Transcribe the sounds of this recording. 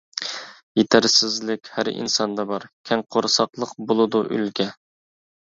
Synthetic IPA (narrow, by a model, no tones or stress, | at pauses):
jet̪ʰæɾsɪzlɪkʲhæ̰ɾḭnsɑnd̪ɑbɑɾkʲʰɛŋqʰoɾsɑqlˠəqbolˠɨd̪uʔy̰lɡʲɛ